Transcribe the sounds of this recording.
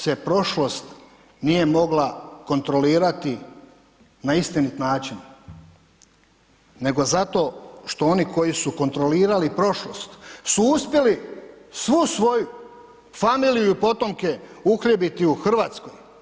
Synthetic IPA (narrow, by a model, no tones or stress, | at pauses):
se̞pɾo̞ʃlo̞st̪ | nije̞mo̞ɡlako̞nt̪ɾo̞liːɾat̪i | naist̪init̪naːt͡ʃin | e̞ɡo̞zat̪o̞ʃt̪o̞o̞niko̞jisuko̞nt̪ɾoliːɾalipɾo̞ʃlost̪suuspje̞lisʋusʋo̞ju | famiːlijuipo̞t̪o̞mke̞uxlʲebit̪iuxr̩ʋaːt̪sko̞j